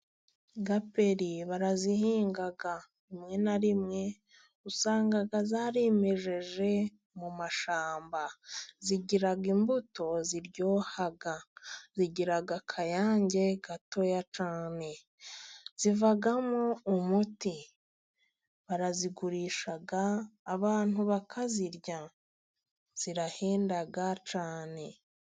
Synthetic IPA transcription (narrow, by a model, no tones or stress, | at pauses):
ɡape̞ɾiβaɾazihiːŋɡaɡa | imŋe̞naɾimŋe̞ | usaːŋɡaɡazaːɾe̞me̞ʒe̞ʒe̞ | mumaʃaːmbaziɟiɾaɡimbuto̞ziɾɟo̞ːhaɡaziɟiɾaɡakʰajaːɲɟe̞ɡato̞jat͡ʃaːne̞ | z̥ivaɡamoumuti | βaɾaziɡuɾiːʃaɡaːβaːn̥huβakʰaziɾɟa | z̥iɾaheːndaɡat͡ʃaːne̞